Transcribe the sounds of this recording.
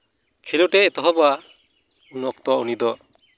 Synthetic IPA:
kʰilɔʈɛːt̪ɔɦɔbɔa | unɔk̚t̪ɔaunid̪ɔ

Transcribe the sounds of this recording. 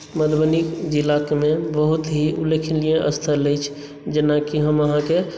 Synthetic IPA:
məd̪bənikd͡ʒilːakmebəɦut̪ɦiulːekʰinlijẽʔə̰st̪ʰələjt͡ʃʰ | d͡ʒenakiɦəməɦãke

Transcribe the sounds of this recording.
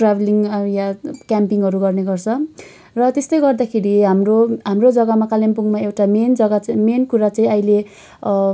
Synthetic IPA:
ʈrabeliŋjakjampiŋɦʌɾuɡʌrneɡʌrt͡sʰʌ | rʌt̪est̪ʌjɡʌrd̪akʰeɾiɦamroɦamrod͡zʌɡamakalempuŋmaewʈamend͡zʌɡat͡smenkuɾat͡saĩʌile

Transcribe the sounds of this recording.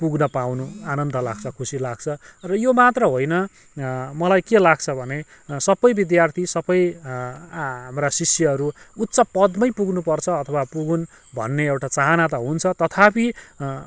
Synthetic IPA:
puɡnʌpawnuanʌnd̪ʌla̰ɡt͡sʰʌkʰusilaɡ̚t͡sʰʌrʌjomat̪rʌɦojnʌ | mʌlajkelaɡ̚t͡sʰʌbʱʌne | sʌbʌjbid̪jart̪ʰisʌbʌj | ɦamrasisjʌʌɾuut̪t͡sʌpʌd̪mʌjpuɡnupʌrt͡sʰʌːt̪ʰʌwapuɡun | bʱʌ̰nːeewʈat͡saɦanat̪ʌɦunt͡sʰʌt̪ʌt̪ʰapʰi

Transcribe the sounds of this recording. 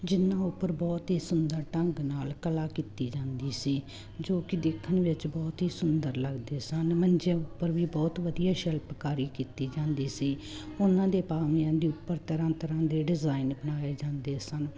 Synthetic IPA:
d͡ʒɪnãːʊpːəɾbɔːt̪ɦiːsʊnd̪əɾʈəŋɡnaːlkəlaːkiːt̪iːd͡ʒãːnd̪iːsiː | d͡ʒoːkɪd̪ekʰːənʋɪt͡ʃbɔːt̪ɦiːsʊnd̪əɾləɡd̪eːsənmənd͡ʒãːʊpːəɾʋiːbɔːt̪ʋəd̪ijaːʃɛlpəkaːɾiːkiːt̪iːd͡ʒãːnd̪iːsiː | ʊnãːd̪eːpaːʋɪjãːd̪iːʊpːəɾt̪əɾãːt̪əɾãːd̪eːɖɪzaːinbənaːeːd͡ʒãːnd̪eːsən

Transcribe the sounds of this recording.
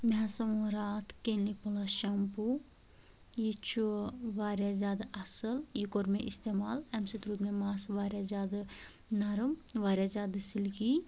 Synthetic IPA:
mɦasɐmuɾaːt̪ʰkenlipolaʃɐmpu | jit͡ʃʰuʋaːɾjazʲjaːd̪aʔɐsəljikoɾmeʔist̪emaːlɛmsit̪ɾuːd̪memaːsʋaːɾʲjazʲjaːd̪a | nɐɾɨmʋaːɾjazʲjaːd̪ɨsilki

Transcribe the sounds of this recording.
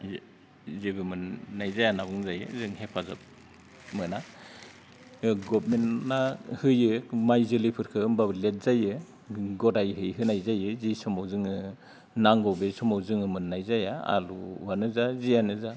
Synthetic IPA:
zebɯmɯnːajzajanabɯŋzajɯ̰zɯŋhepʰazɯ̰p̚ | mɯna | ɡɔbmennahɯjɯmajzɯlipʰɯɾkʰɯɯmbabɯlet̚zajɯ | ɡɔdajɦɯjɦɯnajzajɯzisɔmawzɯŋɯ | naŋɡɔwbesɔmawzɯŋɯmɯnːajzajaa̰lṵwanɯzazijanɯza

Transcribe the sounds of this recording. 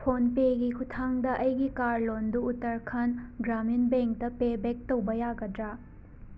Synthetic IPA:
pʰonpeɡikʰutʰaŋdɐʔɐjɡikaɾlonduːtɐɾkʰɐnɡɾaminbeŋk̚tɐpebek̚tɐwbɐjaɡɐdɾa

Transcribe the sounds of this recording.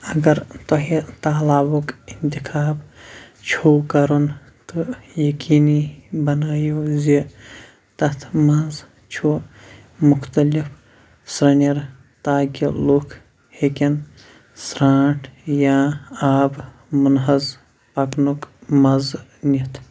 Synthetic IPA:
ɐɡɐɾt̪ɐɦit̪aːlaːbukint̪ikʰaːbt͡ʃʰokɐɾun | t̪ɨjɐkiːnibɐnaːjozi | t̪ɐt̪ʰmɐz | t͡ʃʰu | mʊkʰt̪ɐlifʰ | sɾɐnɐɾ | t̪aːɡilokʰ | hekin | sɾaːʈʰjaaːb | munɦɐz | pɐknukmɐznit̪ʰ

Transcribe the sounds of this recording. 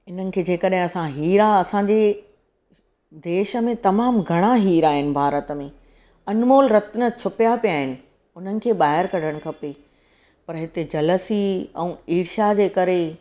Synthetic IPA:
ɪn̤ənɪ̆kʰeːd͡ʑeːkəɗɦɪ̃ɐsãɦiːɾaɐsãɲd͡ʑeː | d̪eːʃə̆mẽt̪ɐmaːmɡʱɐɽ̃aɦiːɾaːɦɪnɪ̆bʱaːɾət̪mẽː | ɐnmoːlɾɐt̪nə̆t͡ɕʰʊpjapijaːɦɪnɪ̆ | ʊn̤ənɪ̆kʰeːɓaːɦɪɾkɐɽʱəɽ̃̆kʰɐpe | pɐɾɦɪt̪ed͡ʑɐləsiɛ̰̃ːiːɾʃad͡ʑeːkɐɾe

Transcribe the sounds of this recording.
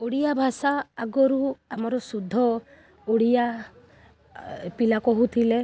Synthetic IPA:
uɽijabʱasaːɡɔɾuamɔɾɔsud̪ʱːɔ | uɽija | pilakɔɦut̪ʰile

